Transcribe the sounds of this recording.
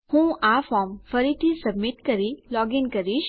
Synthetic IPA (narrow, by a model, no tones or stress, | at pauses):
hũʔafɔɾmfəɾit̪ʰisəbmiʈkəɾilɔɡinkəɾiʃ